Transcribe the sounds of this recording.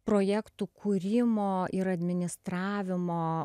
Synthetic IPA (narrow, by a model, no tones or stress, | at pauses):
pɾoːjæːkt̪uːkʰuːɾʲɪmoːɪɾɐd̪ʲmʲɪnʲɪst̪ɾɑːʋʲɪmoː